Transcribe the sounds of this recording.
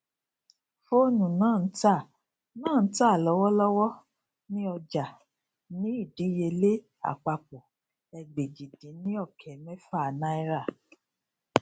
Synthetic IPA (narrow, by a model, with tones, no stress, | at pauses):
fo˦˨nũ˨nãː˦˨n̩˦ta˦˨ | nãː˦˨˦ta˦˨lɔ˨˦wɔ˦lɔ˦wɔ˦ | nĩ˦ɔ˧d͡ʒa˨ | nĩ˨˦i˦˨di˨˦je˧le˦ | a̰˨k͡pa˧k͡po˨ | ɛ˧ɡ͡be˨d͡ʒi˨dĩ˨˦nĩ˦ɔ˦˨kʰɛ˨˦mɛ̃˦fa˦˨nã˦i˦ɾa˦˨